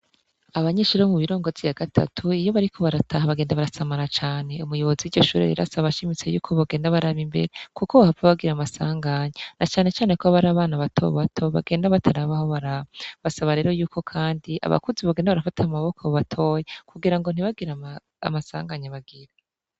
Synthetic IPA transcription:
aβaɲeːʃuɾaomuβiɾo̞ːŋɡo̞zijaɡatʰa̰tʰuijo̞βaɾikʰo̞βaɾatʰaɦaβaɡeːndaβaɾasamaɾat͡ʃaːne̞umujo̞βo̞ziwiɟo̞ʃuːɾḛɾḛɾa̰saβaʃimit͡sejṵːkʰo̞βaɡe̞ːndaβaɾaβimbe̞̰ɾekukoβahavaβaɡiɾamasaːŋɡaɲenʔat͡ʃaːne̞t͡ʃaːne̞koaβaɾaːβaːnaβatʰo̞̰βatʰo̞βa̰ɡe̞ːndaβatʰaɾaβaho̞βaɾaβiβasaβaɾe̞ːɾojuːkʰo̞kʰaːndiʔa̰βa̰kuziβaɡeːndaβaɾafatʰamaβo̞kʰoβatʰo̞jekuɡiɾaŋɡo̞n̥iβaɡiɾa̰ː | masa̰ːŋɡaɲeβaɡiɾa

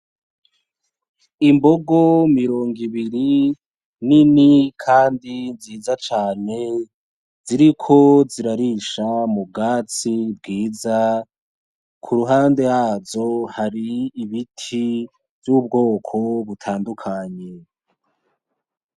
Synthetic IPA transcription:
imbo̞ɡo̞miɾo̞ːŋɡiβiɾi | ninikʰaːndinziːzat͡ʃaːne̞ | ziɾikʰo̞ziɾaɾiʃamub̚ɡaːt͡sib̚ɡiːza | kʰuɾuɦaːnde̞jazo̞haɾiːβitʰi | vjub̚ɡo̞ːkʰo̞βutʰaːndukʰaɲe̞

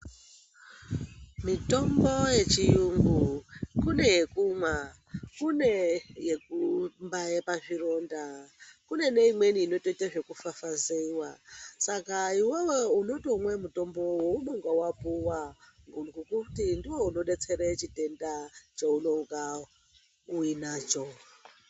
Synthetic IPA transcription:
mito̞mbo̞je̞t͡ʃijuŋɡukune̞je̞kuma | kunejekumbajepaʐiro̞ndakune̞ne̞imwe̞niːno̞to̞itaʐe̞kufafazewasakaiwewouno̞toumwe̞muto̞mbo̞woumoŋɡawapuwa | ŋɡukukutindiwouno̞ɗe̞t͡se̞ɾet͡ʃite̞ndat͡ʃeuno̞ɡa | uinaːt͡ʃo̞

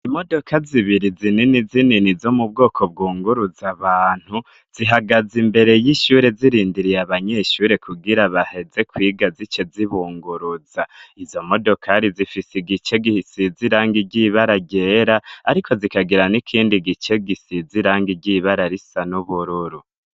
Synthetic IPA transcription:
imo̞do̞kʰaziβiɾizininizininizo̞mub̚ɡo̞ːkʰo̞b̚ɡuːŋɡuɾuzaβaːn̥hu | z̥iɦaɡazimbe̞ɾe̞jiʃuɾe̞ziɾiːndiɾijaβaɲe̞ʃuːɾe̞kʰuɡiɾaβahe̞ze̞kwiːɡazit͡ʃe̞ziβuːŋɡuɾuz̥aizo̞mo̞do̞kʰaɾizifisiɡit͡ʃe̞ɡihisiziɾaːŋɡiɟiβaɾaɟeɾaaɾikʰo̞zikaɡiɾanikʰiːndiɡit͡ʃe̞ɡisiziɾaːŋɡiɟiːβaɾaɾisanuβuɾuɾu

